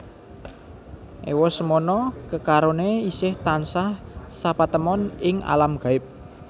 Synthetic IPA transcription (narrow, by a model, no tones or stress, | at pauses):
ʔḛwɔsəmonɔkəkaɾoneisɪht̪ansahsapat̪əmɔnɪŋa̰lamɡ̥a̤ɪp̚